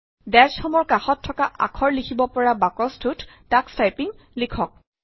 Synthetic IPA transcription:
dɛsxɔmɔɹkaxɔtʰːɔkaʔa̰kʰɔɹlikʰibɔpɔɹabakɔstʰuttakstajpiŋ | likʰɔk̚

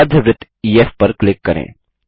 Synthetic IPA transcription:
ɾd̪ʱjəʋɾɪt̪ː | iːeːfpɐɾklɪkːɐɾḛ̃ː

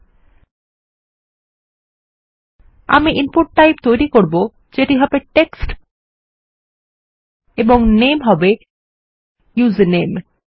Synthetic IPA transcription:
a̰miʔinpuʈ̚ːajp̚t̪ojɾikoɾbo | d͡ʑeʈiɦɔbeʈeksʈ | eboŋnemɦɔbe | juznem

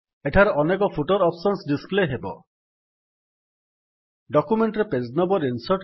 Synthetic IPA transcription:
eʈʰaɾɔʔɔnekɔpʰuʈɔɾɔpsɔnsɖispleɦebɔ̰ | ɖɔkumeɳʈɾepeznɔbɔɾinsɔɾʈ

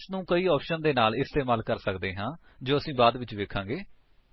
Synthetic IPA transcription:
snũːkəiːɔːpʃənd̪eːnaːlɪst̪eːmaːlkəɾsəkd̪eːɦãː | d͡ʒoːəsĩːbaːd̪ʋɪt͡ʃʋeːkʰãːŋɡeː

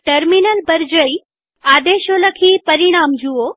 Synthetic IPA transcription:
ʈəɾminəlbəɾd͡ʒəi | ad̪eʃoləkʰipəɾiɽ̃amd͡ʒuo

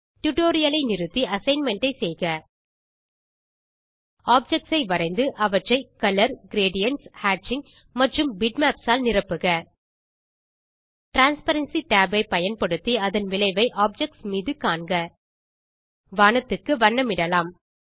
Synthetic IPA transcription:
ʈʊʈoːɾɪjɐlɐɪnɪɾɯt̪ːiʔɐsɐɪnmɛɳʈɐɪsɛjɣɐ | aːp̚d͡ʒɛk̚ʈsɐɪʋɐɾɐɪnd̪ɯʔɐʋɐʈrɐɪkɐlɐɾɡɪɾeːɖɪjɐnshaːʈt͡ʃɪŋ | mɐʈrɯmbɪɖmaːpsaːlnɪrɐpːɯɣɐ | ʈɾaːnspɐɾɐnsiʈaːbɐɪpɐjɐnpɐɽɯt̪ːiɐðɐnʋɪlɐɪʋɐɪʔaːp̚d͡ʒɛk̚ʈsmiːðɯkaːɳɡɐ | ʋaːnɐt̪ːɯkːɯʋɐɳːɐmɪɽɐlaːm

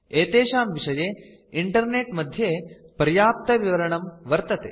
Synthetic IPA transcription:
eːt̪eːʃaːmʋiʂɐjeː | iɳʈɐɾneːʈmɐd̪ʱjeːpɾjaːp̚t̪ɐʋiʋɐɾɐɳɐmʋɐɾt̪ɐt̪eː

